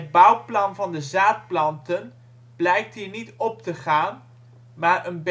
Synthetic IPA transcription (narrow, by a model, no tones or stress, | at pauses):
əd̚bʌwplɑnvɑndəzaːt̚plɑntən | b̥lɛjk̚tɦiːɹnitɔp̚təχaːn | maːɹənb